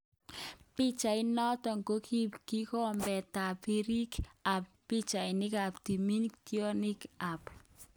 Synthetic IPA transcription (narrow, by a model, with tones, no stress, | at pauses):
pɪ˦t͡ʃa˨ɪ˦nɔ˦tɔ˨ŋko˦kʰi˦pki˦kɔ˦mbɛ˨ta˨pi˦ɾi˦ka˨p̚ːɪ˦t͡ʃa˨ɪ˨nɪ˦ka˨pti˨mi˦ntiɔ˦nɪ˦ka˨p